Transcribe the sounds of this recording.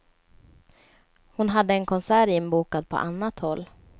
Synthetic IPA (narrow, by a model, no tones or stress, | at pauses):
hʊnɦad̪ːəɛnkʰɔnsæːɾɪnbuːkad̪̚pʰɔ̰ʔanːat̪hɔlː